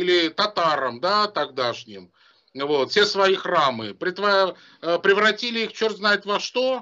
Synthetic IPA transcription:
ilʲɪt̪ɐt̪aɾəmd̪at̪ɐɡ̚d̪aʂnʲɪm | vo̞t̪fʲsʲe̞svɐjixramɨpɾʲɪt̪vɐ | pɾʲɪvɾɐtʲilʲɪixt͡ɕort̪znaɪt̪vɐʂt̪o̞

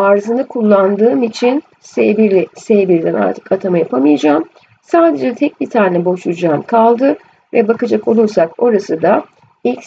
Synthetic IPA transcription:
aɾzɯnɯkʰulˠːand̪ɯːmit͡ʃʰin | sɛbisɛbiɾd̪æna̰ɾt̪ʰɯ̥kat̪ʰamajapʰamɯjad͡ʒaːm | saːd̪e̞d͡ʒɛt̪ʰɛc̚bit̪ʰaːnɛbo̞ʃud͡ʒaːmkʰalˠd̪ɯ | vɛbakad͡ʒako̞lˠuɾsako̞ɾasɯd̪a | ilʲc

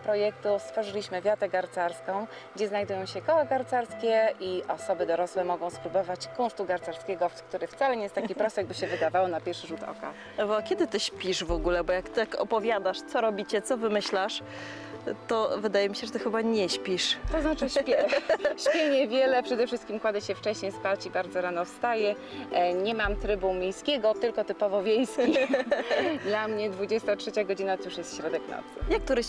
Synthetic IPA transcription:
pɾɔjɛk̚t̪ust̪fɔʐɘlʲiɕmɘvʲjat̪ɛɡaɾt̪saɾskɔ̃w̃ | ɡd͡ʑɛznajd̪ujɔ̃w̃ɕɛkɔwaɡaɾt̪saɾskʲɛʔiʔɔsɔbɘd̪ɔɾɔswɛmɔɡɔ̃w̃spɾubɔvat͡ɕkɔ̃ʂt̪uɡaɾt̪saɾskʲɛɡɔkt̪uɾɘft̪salɛɲejɛst̪akʲipɾɔst̪ɛɡ̚bɘɕɛvɘd̪avawɔnapʲjɛɾʂɘʐut̪ɔ̰ka̰ | vɔakʲɛd̪ɘt̪ɘɕpʲiʂvɔɡulɛbɔjakt̪ɘt̪akɔ̰pɔvʲjad̪aʂt̪sɔɾɔbʲit͡ɕɛt̪sɔvɘmɘɕlaʂ | t̪ɔvɘd̪ajɛmʲiɕɛʐɛt̪ɘxɘbaɲɛɕpʲiʂt̪ɔznat͡ʂɘɕpʲɛɕpʲjɛɲɛvʲjɛlɛpʂɛd̪ɛfʂɘst̪kʲimkwad̪ɛɕɛft͡ʂɛɕɲejspat͡ɕibaɾd̪zɔɾanɔfst̪ajɛ | ɲɛmamt̪ɾɘbumʲjejskʲɛɡɔt̪ɘlkɔt̪ɘpɔvɔvʲjejskʲi | d̪lamɲɛd̪vud͡ʑɛst̪atʂɛt͡ɕaɡɔd͡ʑinat̪ɔjuʂjɛst̪ɕɾɔd̪ɛknɔ̰t̪sɘ̰jak̚t̪uɾɛɕ

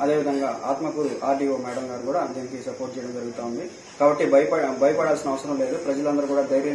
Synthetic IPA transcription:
ɐd̪e̞ːʋid̪ʱɐŋɡaːʔaːt̪mɐkuɾuʔaːɖiːoːmɛːɽɐmɡaːɾkuːɽaːd͡ʒɐnɐkisɐpoːɾʈ̚t͡ʃɛjɐɽɐmd͡ʒɐɾuɡut̪aːund̪i | kaːbɐʈːibɐjɐbʱɐjɐpɐɽaːlsinɐʋɐsɐɾɐmle̞ːd̪upɾɐd͡ʒɐlɐnd̪ɐɾukuːɽaːd̪ɐjɾjɐ

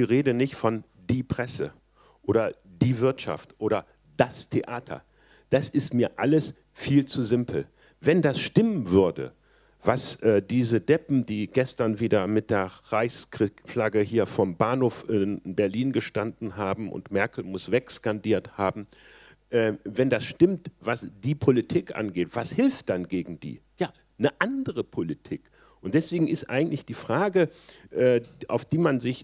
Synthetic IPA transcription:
iːʁeːdənɪçtfɔn | diːpʁ̥ɛsə | ʔoːɾɐd̥iːvɪɐtʃa̰ftʔoːɾɐ | d̥astʰeʔaːtʰɐ̰ | d̥asɪstmiːɐʔa̰ləs | fiːlt͡suzɪmpʰl̩ | vɛndasʃtɪmənvʏɐdə̰ | vasʔɛːdiːzədɛpm̩diːɡ̥ɛstɐnviːdɐmɪt̚d̥eːɐʁaɪçskʁ̥ɪflaɡəhiːɐfɔmbaɐnhoːfʔɪnbɛɐliːnɡəʃtandn̩ɦaːbm̩ʔʊ̰ntmɛɐkl̩mʊsv̥ɛkskandiːɐthaːbm̩ | ʔɛːvɛndasʃtɪmtv̥asd̥iːpʰolitʰiːkʔa̰nɡeːtv̥ashɪlftd̥anɡeːɡŋ̩dḭːjaː | nəʔandəʁəpʰolitʰiːk | ʔʊnt̚d̥ɛsv̥eːɡŋ̩ɪstʔa̰ɪɡŋ̩tlɪçd̥iːfʁ̥aːɡəʔɛːʔa̰ʊfd̥iːmanzɪç

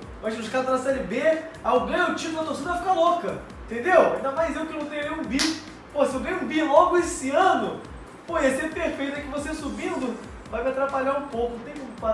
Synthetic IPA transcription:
mɐ̃ʃuʃkat̪ɐ̃nɐsɛɾɪbeaoɡɐ̃j̃ʊewt͡ʃiɾũɐt̪oɾsĩd̪ɐvajfikalokɐẽt̪ẽnd̪ewaĩd̪ɐmajzewkɪnɐ̃t̪ẽjɾeũbi | poɐsɪewɡɐ̃j̃ũbilɔɡʊesɪɐ̃nʊ | pojasepeɾfejt̪ʊɛkɪvosesubĩnd̪ʊ | vajmɪat̪ɾapaʎaɾũpowkʊñt̪ẽj̃kõpaɾ

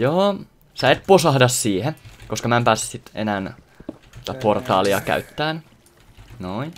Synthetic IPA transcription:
joː | sæet̪̚posɑhdɑssiːhekoskɑmæempæːse̥ssit̪ḛnæːn | si̥t̪æport̪ɑ̰ːliɑ̰kæ̰yt̪ːæːn | noi

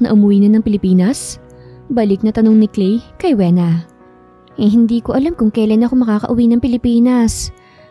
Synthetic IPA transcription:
nɐ̰ʔʊmʊwiːnɐnɐŋpɪlɪpiːnɐsbɐlɪk̚nɐt̪ɐno̞ŋnɪklɛjkɐjwɛːnɐ | ʔɛɦɪnd̪iːko̞ʔɐlamkʊŋkɐjlɐnɐkomɐkaːkɐ̰ʔʊwinɐŋpɪlɪpiːnɐs

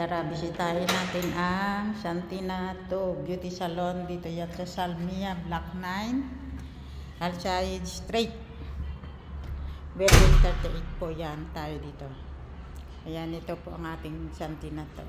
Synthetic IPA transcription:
t̪aɾabɪsɪt̪aːjonaːt̪ɪnʔaŋsant̪inat̪objut̪isɐlond̪iːt̪ojansɐsalmiablak̚najn | ʔɐlsajɪd̪st̪ɾet̪̚ | wɛɾɛst̪ɛɾt̪ɛʔɪt̪̚poʔjant̪aːjod̪iːt̪o̞ | ʔɐjanɪt̪opoʔɐŋʔaːt̪ɪŋsɐnt̪inat̪o̰

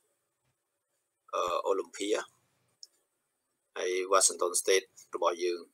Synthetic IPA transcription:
ʔəːʔoːlimpʰiəh | ʔajʋaːsiŋt̪onst̪eːt̪̚rɔɓɑhjəːŋ

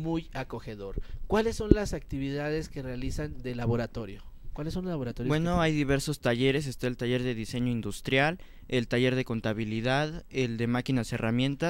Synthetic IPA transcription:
mujako̞xe̞ðo̞ɾkwalesːo̞nlasak̚t̪iβiðaðe̞skerealisand̪elaβo̞ɾat̪o̞ɾjo | kwalesːonlolaβoɾat̪ojbeno̞ajðiβe̞ɾso̞st̪aʝe̞ɾe̞s̬est̪aelt̪aʝe̞ɾðe̞ðise̞ɲo̞ind̪ust̪ɾjal | e̞lt̪aʝe̞ɾðe̞ko̞nt̪aβiliðaðeld̪emakinase̞ramjẽ̞nt̪a

